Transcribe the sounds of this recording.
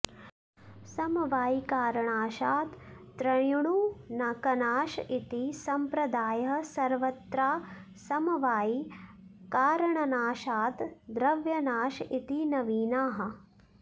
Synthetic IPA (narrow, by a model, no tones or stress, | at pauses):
sɐmɐʋaːjikaːɾɐɳaːʃaːt̪ː | ɾɐjuɳ̃unakɐnaːʃit̪isɐmpɾɐd̪aːjɐɦɐsɐɾʋɐt̪ɾaː | sɐmɐʋaːji | kaːɾɐɳɐnaːʃaːt̪d̪ɾɐʋjɐnaːʃit̪inɐʋiːnaːɦɐ̆